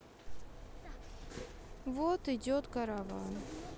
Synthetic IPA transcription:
vot̪idʲot̪kaɾavɑn

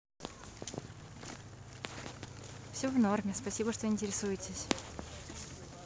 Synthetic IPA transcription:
fsʲovnormʲɪspɐsʲibəʂt̪oɪnʲtʲɪɾʲɪsujɪtʲɪsʲ

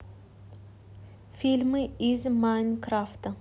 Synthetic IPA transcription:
fʲilʲmɨizmanʲkɾaft̪ɐ

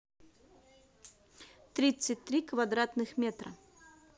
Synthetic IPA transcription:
t̪ɾʲit̪sɨt̚ʲt̪ɾʲikvad̪ɾat̪nɨxmʲet̪ɾə

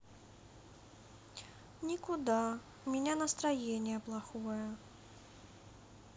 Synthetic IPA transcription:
nʲikʊd̪a | mʲɪnʲanɐst̪ɾajenʲɪjəplˠaxojɐ

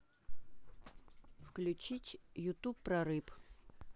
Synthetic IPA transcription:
fklʲʉt͡ɕitʲjʊt̪upːɾɐɾɨp

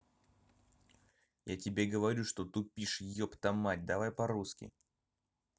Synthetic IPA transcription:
ja̰tʲɪbʲe̞ɡəvɐɾʲuʂt̪ot̪ʊpʲiʂjɪjopt̪ɐmatʲd̪ɐvajpɐɾuskʲɪ̰

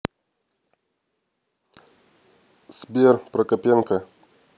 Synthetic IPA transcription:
sbʲerpɾɐkɐpʲenkɐ

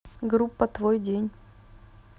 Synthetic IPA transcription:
ɡɾupːət̪vojdʲenʲ

